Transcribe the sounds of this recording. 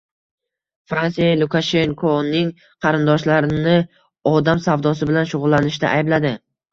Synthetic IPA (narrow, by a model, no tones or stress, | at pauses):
fɾansijalˠʊkʰaʃe̞ŋkʰonɪŋ | qʰɑɾɪnd̪ɒʃlaɾɪnɪ | ɒd̪amsavd̪ɒsɪbɪlanʃʊʁʊlˠːanɪʃd̪a̰ʔajblad̪ɪ